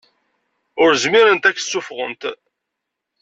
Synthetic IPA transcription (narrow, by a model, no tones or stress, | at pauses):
ʊɾzmɪɾənt̪ækːsːʊfʁə̰nt̪